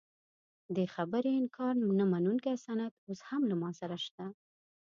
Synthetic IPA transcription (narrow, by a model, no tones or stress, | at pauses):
d̪əxabəɾiɪnkʰɑɾnamanuŋkiasɑnat̪oshamlamɑsaɾaʃt̪a